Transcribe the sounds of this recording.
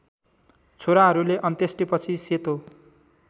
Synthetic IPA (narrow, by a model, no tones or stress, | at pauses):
t͡sʰoɾaɦʌɾuleʔʌnt̪esʈipʌt͡sʰiset̪o